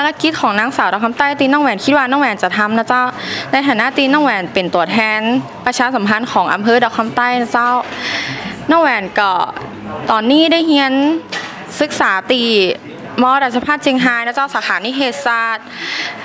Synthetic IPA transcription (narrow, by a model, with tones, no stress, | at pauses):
a˧la˧˥ki˦˥t̪̚kʰɔː˩˦ŋnaː˧˥ŋsaː˨˩˦wda˨˧˩kʰa˧˥mt̪aː˥˩˨jt̪iː˧nɔː˥˩ŋwɛː˧˩nkʰi˦˥t̪̚waː˧nɔː˥˩ŋwɛː˧˩nt͡ɕa˨˩t̪ʰa˧mna˧˥t͡ɕa˦˥˩wna˧jt̪ʰaː˨˩na˧˥˨t̪iː˧˥nɔː˥˩ŋwɛː˧˩npe˨˩nt̪u˨˩ət̪ʰɛː˧n | pɾa˧t͡ɕʰaː˧sa˩˦mpʰa˧˨nkʰɔː˩˦ŋʔa̰˧mpʰɤː˧˨dɔː˧˩kʰɔ˧˥mt̪a˥˩˨jna˧˥t͡ɕa˦˥˨w | nɔː˥˨ŋwɛː˧˩nkɔ˧˩ | t̪ɔː˨˩nːiː˥˩da˥˩jhi˧˥ən | sɯ˧˦˥k̚saː˩˦t̪iː˧˩ | mɔː˧˥ɾaː˧˩sʰa˧˥pʰaː˥˩t̪̚t͡ɕi˧ŋɦaː˧jnaː˧˥˩t͡ɕaː˥˩wsaː˨˦xaː˨˦niː˧˥˩ɦeː˧˩t̪̚saː˧˩t̪̚